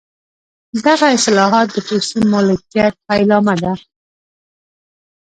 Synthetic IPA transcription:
d̪aɣaɪslɑɦɑt̪̚d̪əposimɑlɪkjat̪̚palɑmad̪a

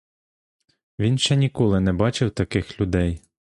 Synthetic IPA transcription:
ʋʲinʃt͡ʃɛnʲikɔlˠɪnɛbɑt͡ʃɪwt̪ɐkɪxlʲʊd̪ɛj

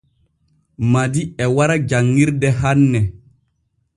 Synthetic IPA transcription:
madiɛwaɾad͡ʒaŋːiɾdɛɦanːɛ

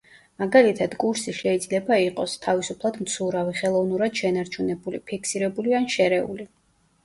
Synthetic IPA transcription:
maɡalit̪ʰad̪̥kʼuɾsiʃɛid̪zlɛbaiqʼɔst̪ʰavisupʰlˠad̪mt̪sʰuɾaviχɛlˠɔvnuɾad̪̥ʃɛnaɾt͡ʃʰunɛbulipʰikʰsiɾɛbulianʃɛɾɛṵli

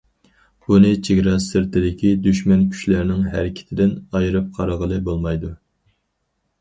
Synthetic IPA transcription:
bunɨt͡ʃʰeɡʲɾɑsɪɾt̪ʰɪd̪ɪkʲʰid̪yʃmɛnkʲʰy̥ʃlæɾnɪŋɦæɾɪkʲʰɪ̥t̪ʰɪd̪ɪnɑjɾɨp̚qʰɑɾɑʁəlˠɨbolˠmɑjd̪u

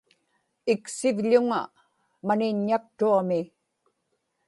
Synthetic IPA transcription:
ɪksɪvʎʊŋa̰ | manɪɲːak̚t̪uamɪ

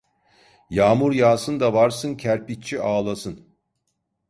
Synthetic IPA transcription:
jaːmuɾjaːsɯnd̪avaɾsɯncʰæɾpitt͡ʃʰiaːlˠasɯn

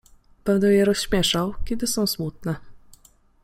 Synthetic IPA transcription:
b̥ɛnd̪ɛjɛɾɔsɕmʲjɛʂawkʲɛd̪ɘsɔ̃w̃smut̪̚nɛ

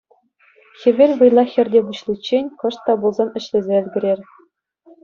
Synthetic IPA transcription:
xʲɘ̆ʋʲelʲʋɯjlˠɑxʲɘ̆rʲdʲebuɕlʲˠit͡ɕːenʲkɤ̆ʂt̪ːɑbulˠzɑnɘ̆ɕlʲɘ̆zʲeɘ̆lʲɡʲɘ̆ɾʲerʲ

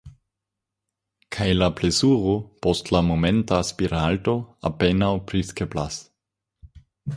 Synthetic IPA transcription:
kʰajlaplesuʁopɔstlamomɛntaspiɾaltoa̰penawpɾiskeplas

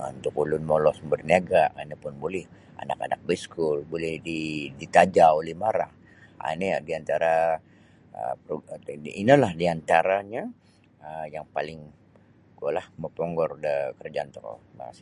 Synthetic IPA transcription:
ṵnt̪ʊkulʊnmolɔsmbərniaɡaʔanipʊnbolɛh | a̰naka̰nak̚bɛskʊlbolɛhdidit̪ad͡ʒaolɪhmaɾaŋ | a̰niadiant̪aɾa | ə̰pɾoinalahdiant̪aɾaɲa | əjaŋpalɪŋ | ɡualahməpɔŋɡɔrdəkərd͡ʒaant̪ɔkɔ̰ba̰s

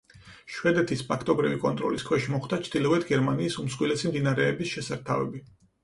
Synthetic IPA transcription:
ʃwɛd̪ɛt̪ʰispʰakʰt̪ʼɔbɾivikʼɔnt̪ʼɾɔ̰liskʰwɛʃmɔχd̪at͡ʃʰd̪ilɔvɛt̪ʰɡɛɾmaniːsumsχʼwilɛsimd̪inaɾɛːbisʃɛsaɾt̪ʰavɛ̰bi

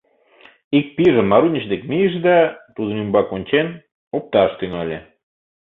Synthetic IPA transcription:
ik̚piʒəmːɑɾunʲəɕd̪ekmijəʃ̬d̪ɑt̪ud̪ə̆nymbɑkonʲt͡ɕen | op̚t̪ɑʃt̪yŋɑlʲe

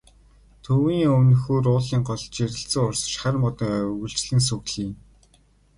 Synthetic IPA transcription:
t̪ʰɵwiːŋɵnɵ̆xuːrʊːɮiːŋɢɔɮt͡ɕeɾʲɪ̆ɬt͡sɘ̆ŋʊrsʃχærmɔt̪ɞ̆ŋœɣɵ̆ɬt͡ɕɮɘ̆ŋs̬ɵɣɮiːŋ

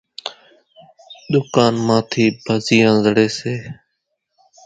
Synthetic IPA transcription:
ɗ̪ʊkaːnmãːt̪ʰiːbʱəziːãːzəɽeːseː

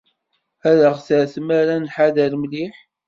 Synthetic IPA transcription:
æðəʁθəɾθəmæɾænħaðəɾmliħ

